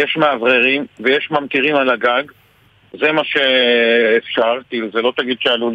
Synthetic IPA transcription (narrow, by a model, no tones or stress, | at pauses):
jeʃmaavʁeʁimvejeʃmamt̪iʁimalaɡaɡ | ze̞maʃe̞ː | fʃaʁkiiluzelo̞t̪aɡid̪ʃealu